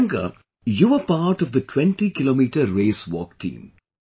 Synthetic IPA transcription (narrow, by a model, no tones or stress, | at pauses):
ŋɡə̰ | juʋəpaːɾʈɔʋd̪əʈʰwɛ̃ɳʈikɪloːmiːʈəːeːsʋɔ̰ːk̚ʈʰḭ̃ːm